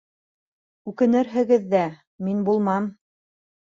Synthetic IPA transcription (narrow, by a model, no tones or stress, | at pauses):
ʉkɘ̆nɘɾɦɘ̆ɡɘðːæ | minbulˠmɑm